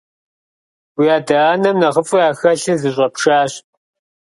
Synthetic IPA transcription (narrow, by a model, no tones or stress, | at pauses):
wijaːdɐaːnɐmnɐʁəfʼʊjaːxɐɬɨnzɨɕ̬ʼɐpʂaːɕ